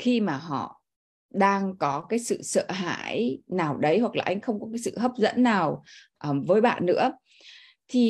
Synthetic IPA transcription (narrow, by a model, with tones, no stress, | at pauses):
xi˧maː˨˩ɦɔ̰˧˨ | ɗaː˧ŋkɔ˨˦kaː˨˦jsɨ̰˧˨sə̰ː˧˨ɦa̰ː˧˥˩jnaː˨˩wɗə˨˦jhwa˨˩klaː˨˩ʔa˧jŋ̟xə˧wŋ͡mkɔ˨˦kaː˨˦jsɨ̰˧˨ɦə˦˥p̚zə̰˧˥nːaː˨˩w | ʔəː˨˩mvəː˨˦jɓa̰ː˧˨nːɨ̰˧˥ə | t̪ʰi˨˩